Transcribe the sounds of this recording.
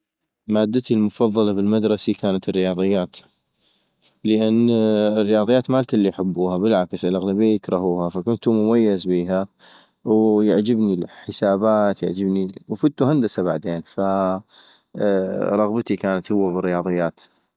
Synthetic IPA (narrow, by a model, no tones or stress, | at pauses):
maːd̪ːat̪ilmʊfɑðˤːɑlɑbɪlmad̪ɾˤɑsikaːnat̪ɪrːɪjɑːðˤɨjːaːt̪ | ləʔanːrːɪjɑːðˤɨjːaːt̪maːlt̪alːijħabːuːhabɪlʕaksɪlʔaɣlabijjɪkɾˤɑɦuːhafakʊnt̪umʊmajːazbiːɦa | wjaʕd͡ʒɪbnilħɪsaːbaːt̪ja̰ʕd͡ʒɪbniwfʊt̪ːuhand̪asabaʕd̪eːnfa | ɾˤɑɣbt̪ikaːnat̪hʊwːabɪrːɪjɑːðˤɨjːaːt̪